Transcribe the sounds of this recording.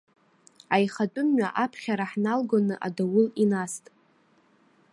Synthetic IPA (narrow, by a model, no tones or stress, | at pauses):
ajχatʷʼʊmɥʷa̰ʔapʰχʲaɾaħnalɡonɨʔa̰dawʊlinastʼ